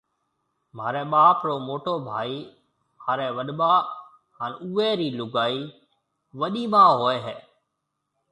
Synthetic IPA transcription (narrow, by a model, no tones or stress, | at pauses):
m̤aːɾẽːɓaːpɾoːmoːʈoːbʱaːiː | maːɾeːʋəɗɓaː | ɦaːnuːeːɾiːlʊɡaːiː | ʋəɗiːmãːɦoːeːɦɛː